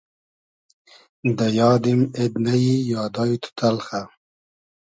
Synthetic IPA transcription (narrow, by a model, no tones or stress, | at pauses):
d̪əjɑːd̪imed̪najijɑːd̪ɑːjut̪ʰu̥t̪ʰalxa